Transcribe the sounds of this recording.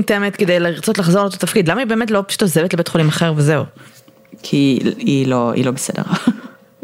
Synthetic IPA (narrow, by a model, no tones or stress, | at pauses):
teemet̪ked̪ejleʁt͡so̞tlaχzolot̪ot̪afkidlamaibe̞ːmetlo̞pʃu̥tozevetlebetχolimaχeʁveze̞u | kʰiiloḭlobesedḛʁ